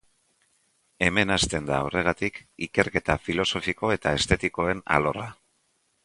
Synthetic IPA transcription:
e̞me̞nast̪e̞nd̪aːwre̞ɣ̞at̪ikike̞ɾke̞t̪afilo̞so̞fiko̞e̞t̪ae̞st̪e̞t̪iko̞e̞na̰lo̞ra

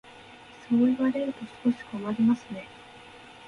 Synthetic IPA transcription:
so̞ːiβaɾe̞ɾɯ̟t̪o̞sɨ̥ko̞ɕi̥komaɾʲimasɨne̞

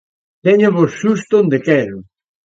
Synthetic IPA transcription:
t̪ɛɲaβosʃust̪ond̪ekɛɾʊ

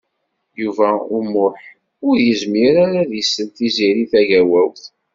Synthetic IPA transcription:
juvæʊmʊħ | ʊɾjəzmiɾaɾaðisːənt̪iziɾiθæʝæwæwθ

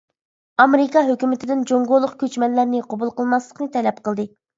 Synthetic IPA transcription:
ɑmeɾɪkɑɦøkʲymɪt̪ʰɪd̪ɪnd͡ʒoŋɡolˠːʊqkʲʰøt͡ʃmɛnlæɾnɪqʰobulˠqəlˠmɑslˠəqnɨt̪ʰɛlɛp̚qəlˠd̪ɨ

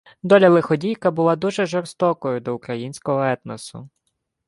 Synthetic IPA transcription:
d̪ɔlʲɐlˠɪxɔdʲijkɐbʊlˠad̪uʒɛʒɔrst̪ɔkɔjʊd̪ɔʊkɾɐjinʲsʲkɔɦɔɛt̪nɐsʊ̰

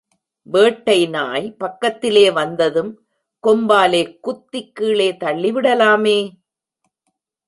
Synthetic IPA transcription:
ʋeːʈːɐɪnaːjpɐkːɐt̪ːɪleːʋɐnd̪ɐðɯm | kɔmbaːleːkʊt̪ːɪkːiːɭeːt̪ɐɭːɪʋɪɽɐlaːmeː

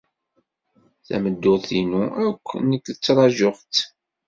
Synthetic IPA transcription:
θæ̰məd̪ːʊθinuækʷːnəkːət͡sːɾˤɑʒʊʁt̪

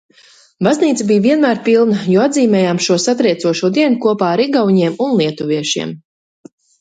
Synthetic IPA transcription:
bazniːt̪sabijviɛnmæːɾpilˠnajɔad̪ziːmɛːjaːmʃuɔsat̪ɾɛjt̪suɔʃuɔd̪iɛnukuɔpaːɾiɡavɲiɛmunlˠiɛt̪uviɛʃḭɛm

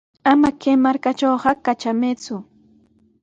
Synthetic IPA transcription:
amakemaɾkat͡ʃowɢɑkat͡ʃamet͡sʊ

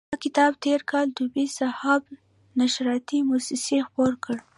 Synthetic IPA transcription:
ɑkɪt̪ɑbt̪eɾkʰɑld̪ubisahɑb | naʃɾɑt̪imusɪsexpoɾkʰəɽ

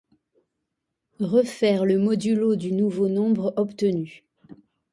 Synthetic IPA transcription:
ʁəfɛʁləmɔd̪ylod̪ynuvonɔ̃bʁɔpt̪əny

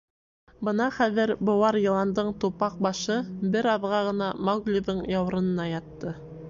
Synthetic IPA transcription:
bɤnɑχæðɘɾbŏwɑɾjɤ̆lˠɑnd̪ɤɴt̪upɑq̚bɑʃɤbɘɾɑðʁɑʁɤ̆nɑmɑɡlʲoðɤɴjɑw̆ɾɤ̆nɤ̆nɑjɑt̪ːɤ

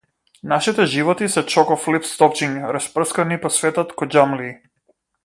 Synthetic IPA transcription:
naʃit̪ɛʒivɔt̪isɛt͡ʃɔkɔflipst̪ɔp̚t͡ʃiŋɾaspr̩skanipɔsvɛt̪ɔt̪kɔd͡ʒamli

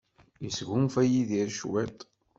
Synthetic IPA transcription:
isʝumfæjiðiɾʃwɛt̪ˤ

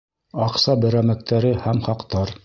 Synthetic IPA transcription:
ɑqsɑbɘ̆ɾæmæk̚t̪ʰæɾɘhæmχɑqt̪ɑɾ

